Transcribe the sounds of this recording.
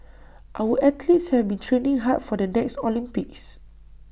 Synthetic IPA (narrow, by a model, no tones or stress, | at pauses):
ʔawəʔɛtlitshɛvbĩntʰɹẽnĩŋɦat̚fɔdənɛkstɔlĩmpik̚s